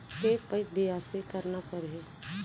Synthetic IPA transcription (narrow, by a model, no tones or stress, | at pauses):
kepɐbeaːsekɐɾnapɐɾɦe